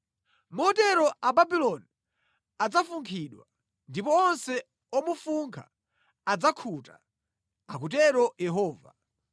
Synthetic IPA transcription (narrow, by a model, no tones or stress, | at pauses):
mɔtɛɾɔababilɔni | ad͡zafuŋkʰiɗwa̰ | ndipɔɔnsɛ | ɔmufuŋkʰa | ad͡zakʰuta | akutɛɾɔjɛɦɔːva̰